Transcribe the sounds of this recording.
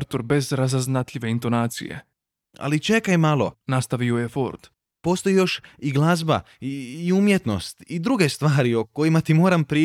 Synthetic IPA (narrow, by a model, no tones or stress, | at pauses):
ɾt̪oɾbe̞zɾazaznat̪ʎʲiʋe̞int̪o̞naːt̪sḭjḛ | a̰lit͡ʃe̞kajmalˠo̞̰nast̪aʋio̞jefo̰ɾd̪ | po̞ːst̪o̞jijo̞ʃiɡlˠazba̰ | iiumje̞t̪no̞̰st̪id̪ɾuɡe̞st̪ʋaːɾioko̞jimat̪imo̞ːɾampɾiː